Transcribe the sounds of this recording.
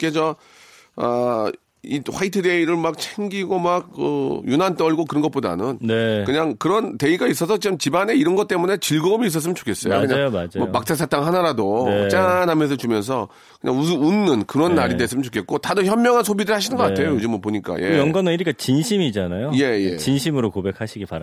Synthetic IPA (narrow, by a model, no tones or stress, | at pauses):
k͈ed͡ʑʌ | ʌ | iɸwaitʰɯde̞iɾɯɭmak̚t͡ɕʰeŋɡiɡomaɡ̚kɯ̰junant͈ʌɭɡokɯɾʌnɡʌtp͈oda̰nɯnnekɯɲaŋkɯɾʌnte̞iɡais͈ʌsʰʌt͡ɕiɯmt͡ɕibane̞iɾʌnɡʌt̚t͈e̞mune̞t͡ɕiɭɡʌɯmiːs̬͈ʌs̬͈ɯmʌnt͡ɕo̥kʰes͈ʌ̰jo̰kɯɲaamʌmak̚t͡ɕ͈ʰasʰat͈ʰaŋɦanaɾadot͡ɕ͈anɦamjʌns̬ʰʌt͡ɕumjʌns̬ʰʌ | kɯɲʔaŋuɯunːɯnkɯɾʌnːaɾides͈ɯmənt͡ɕokʰe̞t̚k͈otadɯçjʌmːjʌŋɦansʰobidɯɭhaɕ̬ʰinɯnɡʌk͈atʰe̞jojod͡ʑimʌpoɲik͈a̰jejʌŋɡwanɯiɾikat͡ɕinɕʰimid͡ʑanajoje̞jḛt͡ɕinɕʰimɯɾokobe̞k̚ʰaɕʰiɡipaɾ